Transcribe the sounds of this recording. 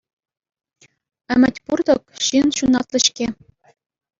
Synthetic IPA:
ɘ̆mʲɘ̆tʲpurd̪ɤ̆kɕĭnɕunɑt̪lʲɘ̆ɕkʲe

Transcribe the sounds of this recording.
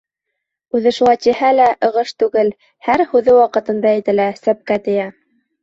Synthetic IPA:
ʉðɘʃulˠɑjt̪ihælæʔɤ̆ʁɤʃt̪ʉɡɘl | hæɾhʉðɘwɑqɤ̆t̪ɤ̆nd̪ɑjɘ̆t̪ɘ̆læsæp̚kæt̪ɘ̆jæ

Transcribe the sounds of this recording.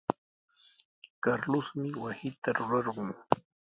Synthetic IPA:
kaɾlʊsmɪwasɪt̪aɾʊɾɑɾɢʊŋ

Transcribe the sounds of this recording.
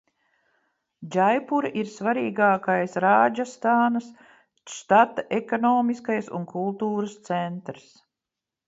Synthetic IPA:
d͡ʒajpuɾʔiɾsvaɾiːɡaːkajsɾaːd͡ʒast̪aːnas | ʃt̪at̪aʔekɔnɔːmiskajsṵnkulˠt̪uːɾəst̪sɛnt̪ɾs

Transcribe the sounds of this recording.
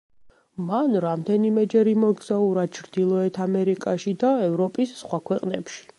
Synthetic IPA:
manɾamd̪ɛnimɛd͡ʒɛɾimɔɡz̥auɾad̪̥̚t͡ʃʰɾd̪̥ilˠɔɛt̪ʰamɛɾikʼaʃid̪aɛvɾɔpʼisːχwakʰwɛqʼnɛpʃi̥

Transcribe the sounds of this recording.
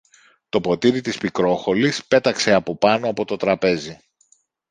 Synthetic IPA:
t̪o̞po̞t̪iɾit̪ispikɾo̞xo̞lispe̞t̪ɐkse̞ɐpo̞pɐno̞ɐpo̞t̪o̞t̪ɾɐpe̞zi

